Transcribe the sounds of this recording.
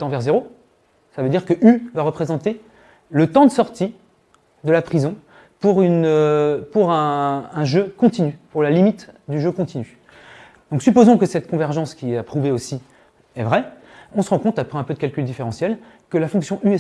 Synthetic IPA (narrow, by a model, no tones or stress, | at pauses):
t̪ɑ̃vɛʁzeʁo | savød̪iʁkəʔyvaʁəpχezɑ̃t̪e | lət̪ɑ̃d̪əsɔʁt̪i | d̪əlapχizɔ̃ | puʁynøpuʁɛ̃ɛ̃ʒøkɔ̃t̪inypuʁlalimit̪d̪yʒøkɔ̃t̪iny | d̪̥ɔ̃ksypozɔ̃kəsɛt̪kɔ̃vɛʁʒɑ̃skʲiɛapχuveosi | ɛvʁɛ | ɔ̃səʁɑ̃kɔ̃t̪apχɛɛ̃pød̪əkʲalkʲyld̪ifeʁɑ̃sjɛl | kəlafɔ̃ksjɔ̃ʔyɛ